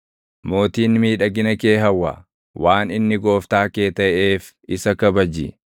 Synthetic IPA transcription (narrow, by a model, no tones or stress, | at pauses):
mo̞ːt̪iːnmiːᶑɐɡɪnɐke̞ːɦɐwːa̰ː | wʔaːnɪnːɪɡo̞ːft̪aːke̞ːt̪ɐʔeːf | ɪsɐkɐbɐd͡ʒḭ